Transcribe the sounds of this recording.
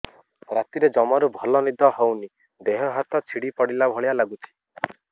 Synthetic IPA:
ɾat̪iɾed͡ʒɔmɔɾubʱɔlɔnid̪ɔɦowni | d̪eɦɔɦat̪ɔt͡ʃʰiɽipɔɽilabʱɔɭijalaɡut͡ʃʰi̥

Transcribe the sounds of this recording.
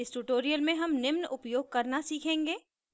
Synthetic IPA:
ɪsʈuːʈoːɾijəlmẽɦɐmnɪmnʊpjoːɡ̚kɐɾnasiːkʰẽːŋɡeː

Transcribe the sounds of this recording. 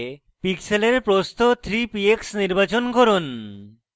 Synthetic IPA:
pikseleɾpɾost̪ʰot̪ʰɾipieksniɾbat͡ɕonɡʱoɾon

